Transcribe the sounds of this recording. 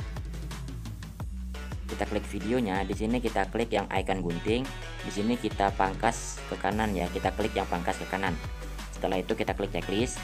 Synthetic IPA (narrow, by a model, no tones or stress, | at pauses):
kit̪aklɪk̚fideoɲadisinikit̪aklɪkjaŋʔa̰ikanɡunt̪ɪŋ | disinikit̪apaŋkas | kəkananjakit̪aklɪkjaŋpaŋkaskəkanan | sə̥t̪əlaɦit̪ukit̪akəlɪk̚t̪ɛklɪs